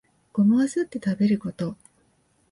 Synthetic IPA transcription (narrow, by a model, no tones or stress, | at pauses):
ɡ̥o̞maazɨt̪ːe̞t̪abe̞ɾɯ̟ko̞t̪o̞